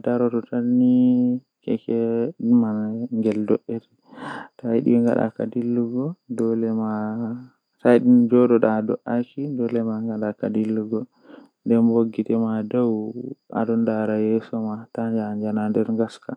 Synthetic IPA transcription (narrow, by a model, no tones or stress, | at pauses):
daɾɔtɔtanːi | kɛ̰kɛɗmaŋɡɛldɔʔeɾi | tajɗḭŋɡa̰ɗa̰kadilːuɡɔdɔlɛma | tajɗind͡ʒɔɗɔɗadɔ̰ʔakidɔlɛmaŋɡaɗakadilːuɡɔ | ndɛnboɡːitɛmadawa̰ɗɔndaɾajɛsɔmataɲd͡ʒaːɲd͡ʒanandɛɾŋɡaska